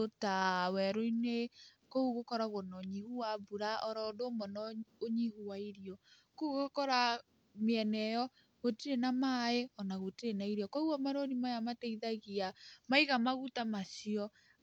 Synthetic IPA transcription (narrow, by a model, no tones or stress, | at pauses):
otawɛɾoine | kouɣokɔɾaɣonɔɲihuwabuɾaɔɾɔdomɔnɔoɲihuwaiɾiɔ | kouɣokɔɾa | meɛnɛjɔ | ɣotiɾenamaeɔnaɣotiɾenaiɾjɔkouamaɾoɾimajamateiðaɣiamaiɣamaɣutamasiɔ